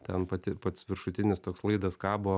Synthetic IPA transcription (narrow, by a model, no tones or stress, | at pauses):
t̪ʲɛnpɐt̪ʲɪpɐt̪sʋʲɪɾʃʊt̪ʲɪnʲɪst̪oːkslˠɐɪd̪ɐskɑːboː